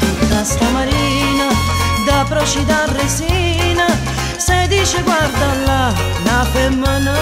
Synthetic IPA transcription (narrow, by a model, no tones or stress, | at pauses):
t̪ut̪ːast̪amaɾina | d̪apɾɔt͡ʃid̪arːesiː | na | sed̪iːt͡ʃeɡward̪alːa | napemːən